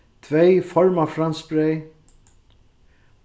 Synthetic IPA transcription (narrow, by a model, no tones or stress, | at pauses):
t̪ʰvejfɔɹmafɾanspɾej